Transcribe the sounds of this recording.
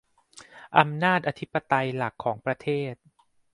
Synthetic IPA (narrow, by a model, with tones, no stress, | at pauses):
ʔa˧mnaː˥˩t̪̚ʔa˧t̪ʰi˦˥pːa˧t̪a˧jla˨˩kʰːɔː˩˦ŋpɾa˧t̪ʰeː˥˩t̪̚